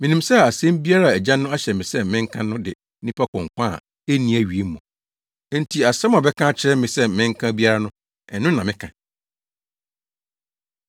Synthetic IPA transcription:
mɪ̃˨nĩ˨msɛ˦˨a˨sɛ̃˦mbi˦a˦ɾa˦˨æ˨d͡ʑã˦nːʊ̃˦a˦ɕɛ˨mɪ̃˨sɛ˦˨mɪ̃˦ŋ̩˦kʰã˦nʊ̃˦dɪ˨˦nĩ˦pʰa˦kʰɔ̃˨ŋ˨kʷã˦˨ | e˦nĩ˨˦˨æ˦ɥi˨e˦mː˦ũ˨˦ | n̩˦tʰi˨a˨sɛ˦ma˨bɛ˦kʰã˦t͡ɕʰɪ˦ɾɛ˦mɪ̃˨sɛ˦mɪ̃˦ŋ̩˦kʰã˦bi˦a˦ɾa˦nʊ̃˦ | ɛ˨nʊ̃˦nã˨mɪ̃˦kʰã˨

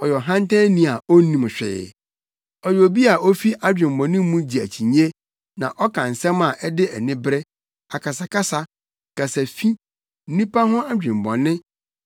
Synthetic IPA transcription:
ɔ˨jɔ˨ɦã˦n˦tʰɛ̃˦nĩ˦a˨o˦nĩ˨m˨ɕᶣɛ̰ː˨ | ɔ˨jo˨bi˦a˨ʔo˦fi˦ʔa˦d͡ʑᶣɪ̃˨m˨bɔ̃˨nɪ̃˦m˦mũ˦d͡ʑi˨æ˨t͡ɕʰi˨ɲe˦ | nã˨ʔɔ˦kʰã˨n˨sɛ̃˦ma˨ʔɛ˦dɪ˦ɛ̰˨nɪ̃˦bɾɛ˦ | a˨kʰa˨sa˨kʰa˦sa˨ | kʰa˨sa˨fi˦ | n̩˦nĩ˦pa˦ɦʊ̃˦a˦d͡ʑᶣɪ̃˨m˨bɔ̰̃˨nɪ̃˦

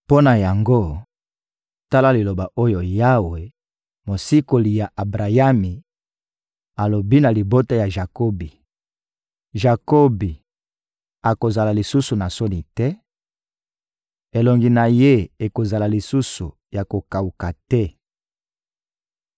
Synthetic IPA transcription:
po˦na˨ja˨ŋɡo˦ | ta˦la˦li˨lo˨ba˨ʔo˦jo˨ja˦we˨ | mo˨si˦ko˨li˨ja˨ʔa˨bʁa˨ja˦mi˨ | a˨lo˨bi˦na˨li˨bo˦ta˦ja˨ʒa˨ko˦bi˨ | ʒa˨ko˦bi˨ | a˨ko˨za˨la˨li˨su˦su˨na˨so˦ni˨tɛ˦ | e˨lɔ˨ŋɡi˨na˨je˦e˨ko˨za˨la˨li˨su˦su˨ | ja˨ko˨ka˨u˨ka˨tɛ˦

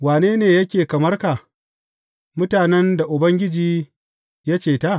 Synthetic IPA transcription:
waː˨neː˦neː˨jɐ˦kʲeː˨kɐ˨mɐ˦rka˨ | mʊ˦taː˨nɛ˦nda˨ʔʊ˨bɐ˦ŋɡʲɪ˦d͡ʒiː˦ | ja˦t͡ʃeː˨ta˦˨

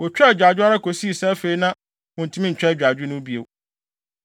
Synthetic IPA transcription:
ɔ˨t͡ɕᶣɛ˦˨d͡ʑᶣa˨d͡ʑᶣʊ˦a˦ɾa˦kʰo˨si˦˨sɛ˦fe˦i˦nã˦ | mʊ̃˨tʰũ˦ĩ˦ɲ̩˨t͡ɕᶣɛ˦˨d͡ʑᶣa˨d͡ʑᶣɪ˦nʊ̃˦bi˦ḛ˨

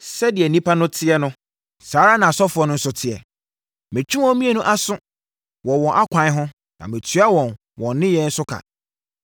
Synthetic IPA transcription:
sɛ˦dɪ˨ɛ˨nĩ˦pʰa˦nʊ̃˦tʰɪ˦ɛ˦nʊ̃˦ | saː˨˦ɾa˦nã˨sɔ˦fʊ˨˦ɔ˨˦nʊ̃˦n̩˦sʊ˦tʰɪ˨ɛ̰˨ | mɪ̃˨t͡ɕʰᶣi˦wɔ̃˦mĩ˦e˦˨nʊ̃˦ʔa˦sʊ̃˦ | wɔ˨wɔ̃˨nʔa˦kʷʰã˨ɪ˦ɦʊ̃˦ | nã̰˨mɪ̃˨tʰɥa˦wɔ̃˨n | wɔ̃˨n˦nɪ̃˦jɛ˦n̩˦sʊ˦kʰa̰˨

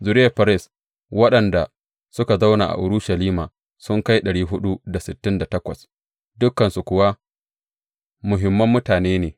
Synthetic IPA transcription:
zʊ˨ɾɪ˦ja˨ɸɐ˦ɾɪ˦s | wɐ˦ɗɐ˨nda˨ | sʊ˦ka˨za˦wnaː˨ʔa̰˨ʔʊ˨ɾʊ˦ʃɐ˨liː˦ma̰ː˨ | sʊ˦ŋka˦jɗɐ˨ɽiː˦ɦʊ˦ɗu˦da˨sɪ˨tːɪ˦nda˨tɐ˦kʷɐ̰˨s | dʊ˦kːɐ˨nsu˨kʷʊ˨wa˦ | mʊ˨ɦɪ˨mːɐ˦mːʊ˦taː˨neː˦neː˨

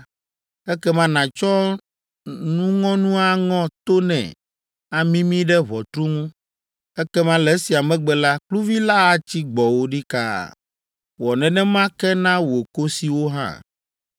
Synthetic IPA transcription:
ɛ˦kɛ˦mã˦nã˨t͡ʃɔ˦ | nũ˦ŋɔ̃˦nũ˦a˦ŋɔ̃˦t̪o˦nɛ̰̃˨ | a˨mĩ˦mĩ˦ɖɛ˦βɔ˨t̪ɾu˦ŋũ˦ | ɛ˦kɛ˦mã˦lɛ˨˦si˨a˨mɛ̃˦ɡ͡bɛ˨la˦k͡plu˦vi˦la˦a˨t͡ɕi˦ɡ͡bɔ˨wo˦ɖi˦ka̰˦˨ | wɔ˨nɛ̃˨nɛ̃˦mã˦kɛ˦nã˦wo˨ko˦si˨wo˦ɦã̰˦

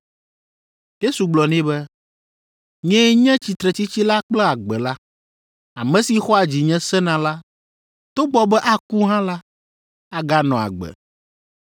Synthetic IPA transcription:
je˦su˨ɡ͡blɔ˨nɛ̃˦bɛ˦ | ɲɛ̃˦ɲɛ̃˦t͡ɕi˨t̪ɾɛ˨t͡ɕi˦t͡ɕi˦la˦k͡plɛ˦a˨ɡ͡bɛ˨la˦ | a˨mɛ̃˦si˨xɔ˦a˨d͡ʑi˨ɲɛ̃˦sɛ˦nã˨la˦ | t̪o˦ɡ͡bɔ˦bɛ˦ʔa˦ku˦ɦã˦la˦ | a˨ɡa˦nɔ̃˨a̰˨ɡ͡bɛ̰˨

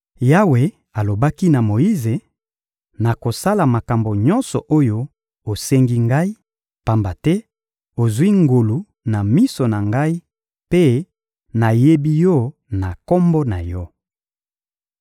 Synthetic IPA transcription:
ja˦we˨ | a˨lo˨ba˦ki˦na˨mo˨ji˦ze˨ | na˨ko˨sa˦la˨ma˨ka˨mbo˨ɲɔ˦nsɔ˨ʔo˦jo˦ | o˨sɛ˦ŋɡi˦ŋɡa˦i˦ | pa˨mba˨tɛ˦ | o˨zwi˦ŋɡo˨lu˨ | na˨mi˦so˨na˨ŋɡa˦i˦ | pe˦ | na˨je˦bi˦jɔ˦˨na˨kɔ˦mbɔ˦na˨jɔ˦

